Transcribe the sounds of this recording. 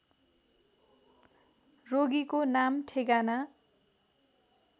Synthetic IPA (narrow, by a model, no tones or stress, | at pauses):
roɡikonamʈʰeɡana